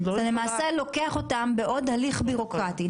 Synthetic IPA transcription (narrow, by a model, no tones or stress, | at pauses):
t̪ale̞maːse̞lo̞ke̞aχo̞tambe̞ʔo̞dhaliχbiʁo̞kʁati